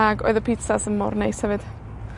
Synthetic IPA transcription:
aɡɔ̰ɨðəpʰit͡sasənmɔ̰rnejshɛvɨd̥

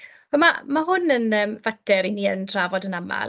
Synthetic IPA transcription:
ɔmamaɦʊnənəːmvadɛɾiniːə̰ndraːvɔdənama̰l

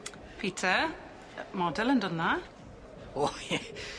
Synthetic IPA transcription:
pʰiːtʰə | mɔdɛlˠəndəna | ojɛ

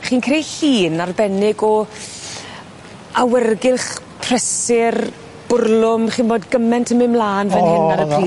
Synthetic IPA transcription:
χiːnkʰrejhiːnarbɛnɪɡɔ | awɛrɡɪlˠχ | pʰr̥ɛsɪr | b̥ʊrlˠʊmχiːnboːdɡəmɛntʰəmɪmlˠaːnvɛnhɪnaɾəpʰriː

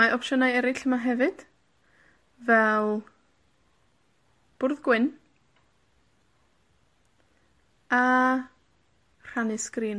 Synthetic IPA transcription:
aʔɔpʃənajɛɾɪɬəmaɦɛvɨd̥ | vɛlˠ | b̥ʊrðɡwɪn | a | r̥anɪɨskriːn

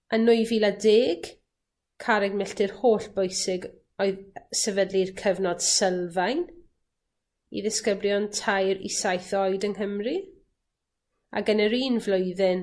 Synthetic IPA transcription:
anʊɨviːladeːɡ̥ | kʰaɾɛɡmɛɬtɪrhoːɬb̥ojsɪɡ | ɔɨðsɛvədlirkʰəvnɔd̥səlˠvajn | ḭðɪskəbljɔntʰajɾḭsajθɔɨdənɦəmri | a̰ɡənəɾiːnvlʊjðɪn

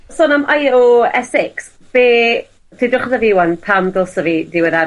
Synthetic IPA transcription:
soːnamʔajoɛsɪks | b̥eː | tʰidʊχɔðaviwanpʰamɡɔlˠsəvidɪwɛða

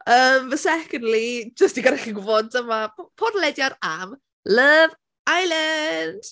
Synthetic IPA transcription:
əmvəsɛkəndlid͡ʒəstiɡaɾaχiɡʊvɔntʰəmapʰɔdlɛdjaɾam | ləv | ajlənd̥

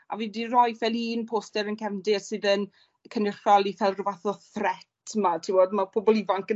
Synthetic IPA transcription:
a̰vidirɔjfɛlˠiːnpʰoːstɛɾənkɛvndɪsɨðən | kʰənɪχalˠifɛlˠrvaθɔθrɛttʰmatʰiwodmapʰobɔlˠivaŋkə

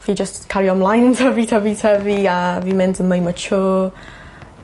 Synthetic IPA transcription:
fid͡ʒəstkʰaɾiɔmlˠajntʰəvitʰavitʰaviavimɪndənməjmət͡ʃʰoː

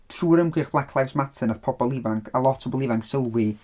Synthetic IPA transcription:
tʰruːɾəmɡɪχblˠakʰlˠajsmatʰənaðpʰɔbɔlˠɪvaŋkʰalˠɔtʰɔbɔlˠɪvaŋksəlˠwɪ

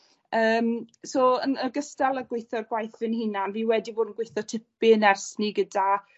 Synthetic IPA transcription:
əːmsoːənəɡəstalˠəɡwɪjθɔrɡwajθvɪnhɪnanviːwɛdivoːdən̩ɡwejθɔtʰɪp̚ɪənɛrsniɡəda

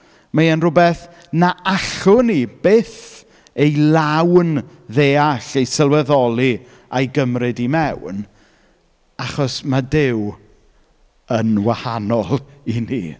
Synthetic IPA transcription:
majənrʊbɛθ | naaɬʊnib̥eːθ | ejlˠawn | ðeːaɬejsəlˠwɛðɔlˠi | ajɡəmrɨdimɛwn | aχɔsmadɪw | ənwahanɔlˠinḭ

